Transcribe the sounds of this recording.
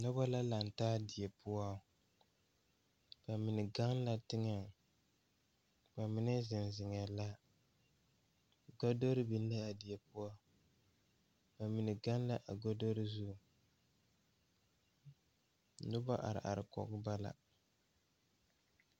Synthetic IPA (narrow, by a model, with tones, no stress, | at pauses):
nʊ˦ba˦la˦la˨n˨taː˦dɪ˨jɛ˨pʊ˦a˦ | b̥a˨mɪ˨nɪ˨ɡa˦ŋla˦tɪ˦ŋa˨ŋ | ba˨mɪ˦nɨ˦zɪ˨n˨zɪ˨ŋɛ˨la˦ | ɡa˦do˦ɾi˦bi˨n˦lɨ˦a˨dɪ˨jɛ˨pʊ˦a˦ | ba˨mɪ˨nɪ˨ɡa˦nla˦ʔa˨ɡa˦do˦ɾi˦zu˦˨ | nʊ˦ba˦ʔa̰˨ɾɪ̰˨ʔa̰˨ɾɪ˨kɔ̰˨ɡɨ˦ba˦la̰˨